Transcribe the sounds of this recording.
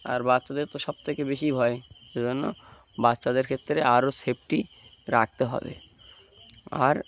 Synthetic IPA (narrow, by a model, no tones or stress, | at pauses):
a̰ɾbatːʃad̪eɾt̪oʃɔb̚t̪ʰekebeʃibʱɔeʃed͡ʑonːo̰ | batːʃad̪eɾkʰet̪ːɾeaɾosep̚ʈi | ɾak̚ʰt̪eɦɔ̰bḛ | a̰ɾ